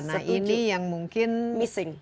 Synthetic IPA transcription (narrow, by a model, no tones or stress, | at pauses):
naʔinijaŋmuŋkɪnmisɪŋ